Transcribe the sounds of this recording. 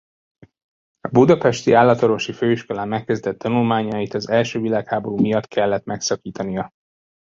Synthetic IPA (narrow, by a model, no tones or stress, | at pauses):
ɒbud̪ɒpɛʃt̪iaːlːɒt̪o̞ɾvo̞ʃiføːiʃko̞laːmːɛkːɛzd̪ɛt̪ːɒnulmaːɲɒjit̪ɒzɛlʃøːvilaːkhaːbo̞ɾuːmijɒt̪kʰɛlːɛt̪mɛksɒkiːt̪ɒnijɒ